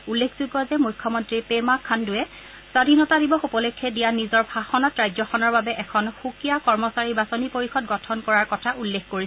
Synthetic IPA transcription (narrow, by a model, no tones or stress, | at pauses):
ulːekʰzuɡɔzɛmujkʰːɔmɔntɹipemakʰːandʊɛ | sadʱinɔtadibɔxupɔlekʰːɛdijanizɔɹbʱaxɔnɔtɹajzɔxɔnɔɹbabɛʔɛkʰɔnxukijakɔɹmɔsaɹibasɔnipoɹixɔd̚ɡɔtʰɔnkɔɹaɹkɔtʰaulːekkoɹisɛ